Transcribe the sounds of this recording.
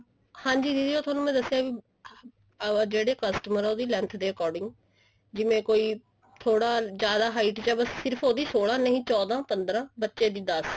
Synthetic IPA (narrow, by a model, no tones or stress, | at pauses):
hãːɲd͡ʒiːd̪id̪iːoːt̪ʰwaːnũːmɛ̃ːd̪əsːejaːʋi | d͡ʒeːɽeːkəsʈəməɾːoːd̪iːlɛ̃nt̪ʰd̪eːkɔːɾɖɪŋɡ | d͡ʒɪmẽːkoːiː | t̪ʰoːɽaːd͡ʒjaːd̪aːɦaːɪʈt͡ʃɛːbəsːɪɾpʰoːd̪iːsoːɽãːnəɦĩːt͡ʃɔːd̪ãːpənd̪ɾãːbətːʃeːd̪iːd̪əs